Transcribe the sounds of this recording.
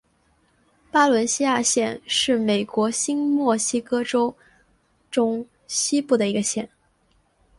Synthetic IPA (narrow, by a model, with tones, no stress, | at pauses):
pa˥lwə˧˥nɕi˥ja˥˧ɕjɛ˥˧nʂɻ̩˥˩me˨˩ɪkwɔ˧˥ɕi˥nmwɔ˥˩ɕi˥kɤ˥ʈ͡ʂo˥ʊ | ʈ͡ʂʊ˥ŋ | ɕi˥pu˥˩d̪ə˩i˧˥ɡə˧ɕjɛ˥˩n